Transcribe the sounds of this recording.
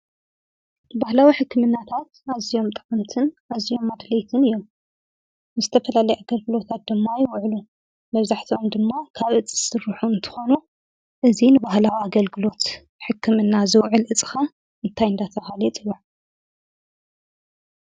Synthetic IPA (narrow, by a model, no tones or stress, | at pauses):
ɨbahlawiħɨkʰːɨmɨnːat̪ʰat̪azijo̞mt̪ʼɨqʼɨmt̪ʰɨnazijo̞mːad̪lejt̪ʰɨnɨjːo̞m | nɨzɨt̪ʰɐfɐlalɐjʔaɡɐlɡɨlo̞t̪ʰat̪̚d̪ɨmːajɪwʕlu | mɐβzaħt̪ʰio̞md̪ɨmːakʰaβʔɨt͡sʼi̥sɨɾɨħuɨnt̪ʰɨ̥xo̞nu | ʔɨzinɨbahlawiaɡɐlɡɨlo̞t̪ | ħɨkʰːɨmɨnːazɨwʕɨlʔɨt͡sʼɨ̥xɐ | ɨnt̪ʰajɨnd̪at̪ʰɐhalɐt͡sʼɨwaʕ